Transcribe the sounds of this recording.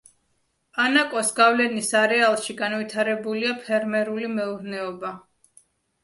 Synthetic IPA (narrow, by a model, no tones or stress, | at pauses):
anakʼɔsɡavlɛnisaɾɛalˠʃiɡanvit̪ʰaɾɛbuliapʰɛɾmɛɾulimɛuɾnɛɔba